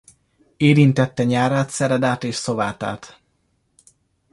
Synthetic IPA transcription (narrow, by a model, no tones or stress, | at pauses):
eːɾint̪ɛt̪ːɛɲaːɾaːt̪sɛɾɛd̪aːt̪eːʃso̞vaːt̪a̰ːt̪